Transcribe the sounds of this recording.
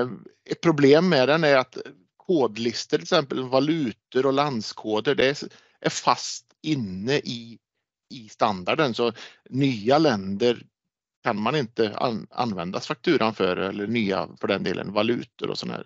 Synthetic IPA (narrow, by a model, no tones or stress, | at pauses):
ɛt̪̚pʰɾʊbleːmːɛd̪ɛnæɾat̪ | kʰoːd̪lɪst̪əɾʰɪsɛmpəlvalʉ̟ːt̪əɾɔland̪skʰoːd̪əɖɛ | ʔæɾfast̪ɪnːəʔɪ | ɪst̪and̪aɖənsɔnyːalɛnd̪əɾ | kʰanmanɪnt̪əa̰a̰nvɛnd̪asfak̚t̪ʰʉ̟ːɾʔanfœɾɛ̰lːəɳyːa̰fœɖɛnd̪ḛːlə̰nvalʉ̟̰ːt̪ə̰ɾʔɔ̰sɔn̰ɦæ̰ːɾ